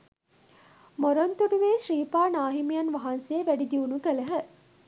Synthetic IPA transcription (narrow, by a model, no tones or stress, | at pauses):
moɾont̪uɖuʋeːʃriːpaːnaːɦimijɐnʋɐɦɐnseːʋæɖid̪iunukələɦə